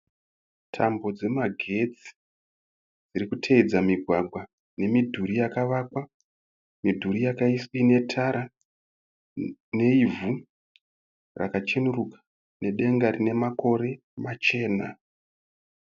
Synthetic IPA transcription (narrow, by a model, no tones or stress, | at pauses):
tʰambo̞d͡ze̞maɡʱe̞t͡si̥ | d͡ziɾikutʰeid͡zamiɡʱwaɡʱwa | ne̞midʱuɾijakaʋakwa | midʱuɾijakaisine̞tʰaɾa | ne̞ivu | rʔa̰kat͡ʃenurukḁ | ne̞ɗe̞ŋɡaɾine̞mako̞ɾe̞ | mat͡ʃe̞ːna